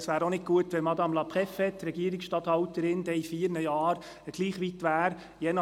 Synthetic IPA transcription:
sʋæːɾonɪk̚ɡuətʋɛlmɑd̪ɑmlɑpχɛfhɛtːɾɛɡiːəɾiksʃtɑt̪hɑwtəɾɪnd̪ɛifiːəɾnəjɑːɾ | ɡ̥liːχʋit̪ʋæːɾ | jɛnɑ

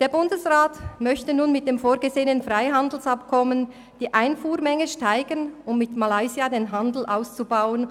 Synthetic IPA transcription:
d̥eːɐbʊndəsʁaːtmœçtənuːnmɪt̚d̥eːmfoːɐɡəzeːənənfʁaɪɦandl̩sap̚kʰɔmən | d̥iːʔaɪnfuːɾmɛŋəʃtaɪɡənʊmːɪtmalaɪziadeːnɦandl̩ʔaʊst͡subaʊən

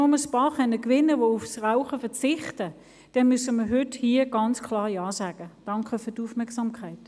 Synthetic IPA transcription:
oməspɑːχɛnəkʋɪnəʋoʊfsʁaʊχəfɛt͡sɪχtə | d̥ɛnmysəməɦʏthiːəɡ̥ɑnt͡skʰlɑːʁjɑːsaːɡ̥əd̥ɑŋkʰəfyːtufmɛɐksɑmkʰaɪt

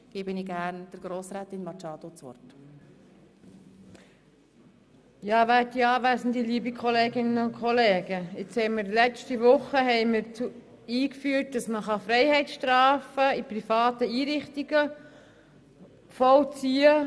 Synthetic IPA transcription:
ɡ̥eːbəniɡæɾnd̥əɾɡ̥ɾoːsɾæːt̪ɪnmɑt͡ʃɑːd̥̪ot͡sʋɔ̰ɾt | jɑːʋæːt̚diɑːʋæsən̩d̪iliːbikʰɔleːɡɪnːəʊnkχɔleːɡ̥əɪt͡shɛɪməɾlɛt͡stiʋʊχəɦɛɪməɾt͡su | iːkfyːt̚d̥ɑsməχɑfɾɛɪhɛɪtsʃtɾɑːfəiprifɑːt̪əiːɾɪχt̪iɡ̥ə | fɔwt͡siːə

